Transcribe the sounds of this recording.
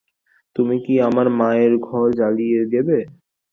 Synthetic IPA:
t̪umikiamaɾmaeɾɡʱɔɾd͡ʑalijed̪ebe

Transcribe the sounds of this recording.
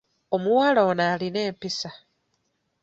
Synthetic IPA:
o̞muwaloːnaːline̞ːmpisa

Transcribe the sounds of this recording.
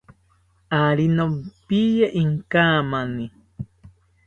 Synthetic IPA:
aɾinompijaʔiŋkamani

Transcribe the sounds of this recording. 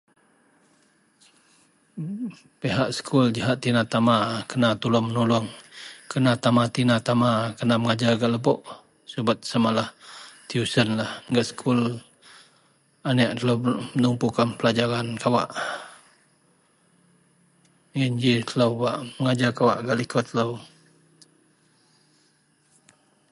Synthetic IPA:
peɦaʔsə̥kʰuld͡ʒaɦaʔt̪inat̪amakənat̪ulʊmənulʊŋkənat̪amat̪inat̪amakənaməŋad͡ʒaɡaʔləbɔʔ | subat̪̚samalaht̪iusənlahŋɡaʔsə̥kʰul | anɛʔt̪əlowmənumpukanpəlad͡ʒaɾankawa̰ʔ | ŋind͡ʒit̪əlawbaʔməŋad͡ʒakawa̰ʔɡaʔlikot̪əlow

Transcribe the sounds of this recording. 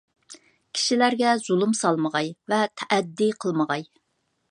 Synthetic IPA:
kʲʰi̥ʃilæɾɡʲɛz̥ulˠumsɑlˠməʁɑjvɛt̪ʰɛʔæd̪ːiqʰəlˠməʁɑj

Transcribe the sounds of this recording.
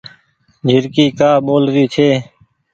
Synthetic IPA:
d͡ʒʱɪɾkiːkaːɓoːlɾiːt͡ʃʰeː

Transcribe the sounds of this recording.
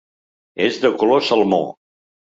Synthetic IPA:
ezðəkulosəlˠmo̰

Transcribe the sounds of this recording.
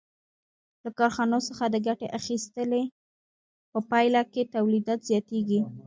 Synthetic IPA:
lakɑɾxɑnosəxad̪əɡaʈeʔaxist̪əle | pəpɑjlaket̪awlid̪ɑt̪zjɑt̪eɡi

